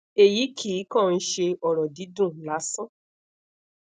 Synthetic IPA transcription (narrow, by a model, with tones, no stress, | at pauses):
e˨ji˨˦kʰi˨˦kã˦˨˧n̩˧ʃe˧ɔ˨ɾɔ˨di˨˦dũ˦˨la˨˦sã˦